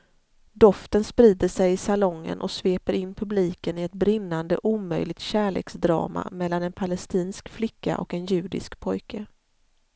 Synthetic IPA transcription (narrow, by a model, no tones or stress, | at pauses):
d̪ɔft̪ənspɾiːd̪əʂɛjɪsalɔŋːə̰nʔɔ̰sveːpəɾɪnːpʰɵbliːkənɪɛt̪̚bɾɪnːand̪ə̰ʔuːmœ̰jlɪɡ̚t̪ɕæːɭḛːksd̪ɾɑ̰ːma̰mɛlːanɛnpʰalɛst̪iːnskflɪkːa̰ʔɔ̰kɛnjʉ̟ːɖ̪ɪ̰skpʰɔjkʰə